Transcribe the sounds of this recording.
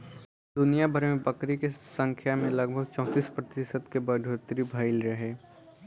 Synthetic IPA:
d̪ʊnijabʱəɾmẽbɐkɾikesə̃ŋkʰjamẽlɐɡbʱəɡ̚t͡ʃɔ̃ːt̪iːspɾɐt̪ɪsəd̪kebɐɖʱoːt̪ɾibʱaɪlɾɐɦeː

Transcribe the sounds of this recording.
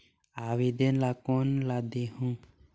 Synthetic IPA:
awid̪enlakonlad̪eɦũ

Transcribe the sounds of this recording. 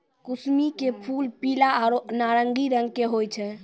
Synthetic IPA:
kusmikepʰulpilaɾnaɾəŋɡiɾəŋɡkeɦojt͡ʃʰɛ

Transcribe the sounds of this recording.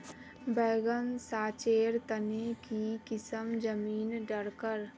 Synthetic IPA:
bɛːɡənsaːt͡ʃeːɾt̪ənekikɪsəmd͡ʒəmiːnɖəɽkəɾ

